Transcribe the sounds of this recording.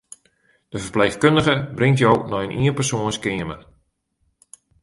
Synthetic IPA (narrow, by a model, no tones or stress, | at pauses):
d̥əfərpleːxkøndəɣəbrɪŋtjownɔjənʔiənpərsoənskɪəmə